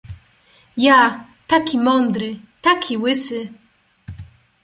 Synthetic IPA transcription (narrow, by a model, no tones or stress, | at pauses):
ja | t̪akʲimɔnd̪ɾɘ | t̪akʲiwɘsɘ